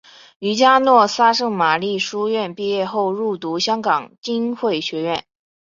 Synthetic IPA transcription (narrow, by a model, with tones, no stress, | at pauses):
y˧˥t͡ɕja˥nwɔ˥˩sa˥ʂɤ˥˩ŋma˨˩li˥˩ʂu˥ɥɛ˥˧npi˥˧jɛ˥˧xo˥˧ʊɻu˥˩t̪u˧˥ɕjɑ˥ŋkɑ˨˩ŋt͡ɕi˥nxwe˥˩ɪɕɥɛ˧˥ɥɛ˥˩n